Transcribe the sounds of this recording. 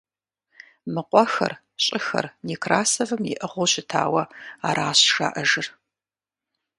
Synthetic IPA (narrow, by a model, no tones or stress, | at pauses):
mɨqʷʼɔxɐ̰r | ɕʼɪxɐ̰rniːkʰraːsɐvɨmjɪ̰ʔɐʁʷoɕɪtʰa̰ːwɐaːɾaːɕʂa̰ːʔɐʒɨr